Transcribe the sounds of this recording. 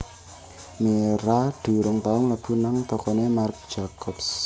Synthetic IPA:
meɾad̥uɾɔŋt̪aɔŋlab̥unaŋt̪ɔkɔnɛmark̚d͡ʒakʰɔps

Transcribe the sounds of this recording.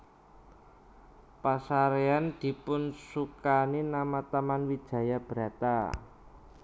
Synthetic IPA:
pasaɾeand̪̥i̤pʊnsukaninamat̪amanwid̥ʒ̥ä̤jab̥ɾa̤t̪a̰

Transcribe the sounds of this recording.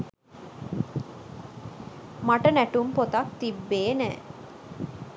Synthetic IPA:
maʈənæʈumpot̪ak̚t̪ibːeːnæ̰ː

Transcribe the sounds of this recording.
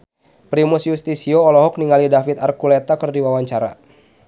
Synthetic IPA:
pɾimʊsjust̪isioːlɔɦɔk̚niŋalidafit̪arkulet̪akɨərdiwawaɲt͡ʃaɾa̰

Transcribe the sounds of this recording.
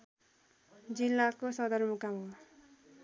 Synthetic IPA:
d͡zilːakosʌd̪ʌrmukamo

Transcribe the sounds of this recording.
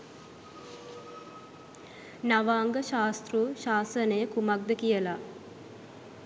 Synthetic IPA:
naʋaːŋɡəʃaːst̪ruːʃaːsənəjəkumak̚d̪əkijəla

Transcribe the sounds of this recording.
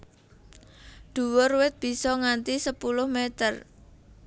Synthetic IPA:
ɖ̪̥ṳwʊrwɪt̪̚b̥i̤sɔŋant̪isəpulʊhmet̪ər

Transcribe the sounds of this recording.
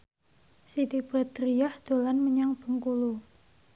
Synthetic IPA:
sit̪ib̥a̤t̪ɾijahd̪̥o̤lanməɲaŋb̥ə̤ŋkulu

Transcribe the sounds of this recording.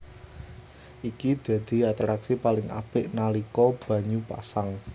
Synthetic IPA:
ʔikid̪̥a̤d̪̥i̤at̪ɾaksipalɪŋʔa̰b̥ɪ̤ʔnalikɔb̥ä̤ɲupa̰saŋ

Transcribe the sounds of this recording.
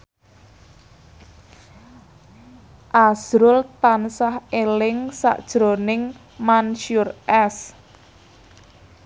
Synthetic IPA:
ʔazɾʊlt̪ansahelɪŋsa̰ʔd̥ʒ̥ɾonɪŋ | manʃurʔɛs

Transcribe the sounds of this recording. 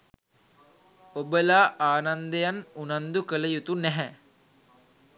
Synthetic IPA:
obəlaːʔaːnand̪əjanunand̪ukələjut̪unɛɦɛ

